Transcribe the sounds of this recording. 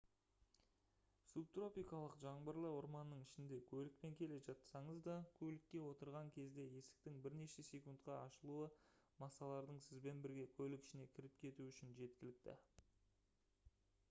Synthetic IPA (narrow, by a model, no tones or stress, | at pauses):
sub̚t̪ro̞pʲijkɑlˠəqʒɑɴbəɾlˠəʊɾmɑnːəɴɪʃɪnd̪e̞kʲʰɵlɪk̚pe̞ŋkʲʰe̞le̞ʒɑt̪sɑɴəzd̪ɑkʲʰɵlɪkʲːe̞wo̞t̪əɾʁɑŋkʲʰe̞zd̪e̞je̞sɪ̥k̚t̪ɪŋbɪɾne̞ʃe̞se̞kunt̪qɑɑʃəlˠuəmɑsɑlˠɑɾd̪əɴsɪzbe̞nbɪɾɡʲe̞kʲʰɵlɪkʲɪ̥ʃɪne̞kʲʰɪɾɪp̚kʲʰe̞t̪uʏʃɪnʒe̞t̪kʲɪlɪk̚t̪ɪ̰